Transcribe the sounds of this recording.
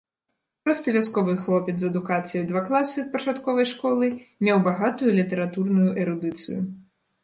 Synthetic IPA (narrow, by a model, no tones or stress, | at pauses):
pɾɔst̪ɨvʲaskɔvɨxlˠɔpʲɛt̪zɐd̪ukat̪sɨjɐd̪vaklˠasʲɨspɐt͡ʃat̪kɔvɐjʂkɔlˠɨmʲɛwbaɣat̪ujulʲit̪ɛɾat̪urnujuʔɛɾud̪ɨt̪sɨ̰ju